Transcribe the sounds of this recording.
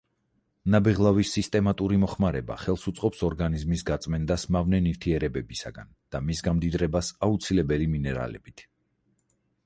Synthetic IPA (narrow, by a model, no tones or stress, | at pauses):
nabɛʁlˠavisːist̪ʼɛmat̪ʼuɾimɔχmaɾɛba̰χɛlˠsut̪sʼqʼɔpsɔɾɡanizmisɡat̪sʼmɛnd̪asmavnɛniɾt̪ʰiɛɾɛbɛbisa̰ɡa̰nd̪̥amisɡamd̪id̪ɾɛbasaut̪sʰilɛbɛliminɛɾa̰lɛ̰bit̪ʰ